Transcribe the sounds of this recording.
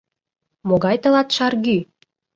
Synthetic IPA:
moɡɑjt̪ɤ̆lɑt̪ʃɑrɣy

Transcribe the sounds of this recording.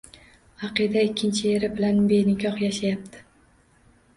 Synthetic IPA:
ɑqid̪aɪkʲːɪnt͡ʃʰɪeɾɪbɪlanbejnɪkʲʰɒhjaʃajap̚t̪ʰɪ̥

